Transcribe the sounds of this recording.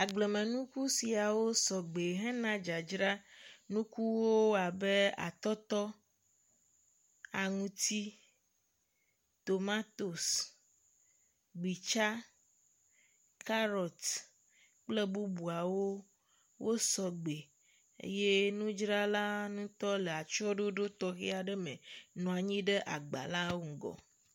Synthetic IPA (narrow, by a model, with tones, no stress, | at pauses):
a˨ɡ͡ble˨mẽ˨nũ˦ku˦si˨a˨wo˦sɔ˨ɡ͡be˨ɦɛ̃˦nã˦d͡ʒa˨d͡ʒɾa˦nũ˦ku˦wo˦a˨be˦a̰˨t̪ɔ˦t̪ɔ˦ | a˨ŋũ˨t̪i˦ | t̪o˨mã˦t̪o˨s | ɡ͡bi˨t͡ʃa˦ | ka˦ɾɔ˨t̪ | k͡ple˦bu˦bu˨a˨wo˦ | wʔo˦sɔ˨ɡ͡be˨ | ḛ˦je˦nũ˦d͡ʒɾa˦la˦nũ˦t̪ɔ˦le˨a˨t͡ʃɔ˦ɖo˦ɖo˦t̪ɔ˦ɣi˦a˨ɖe˦mẽ˨nɔ̃˨a˨ɲĩ˦ɖe˦ʔa˨ɡ͡ba̰˨la˦wo˦ŋ̩˨ɡɔ̰˨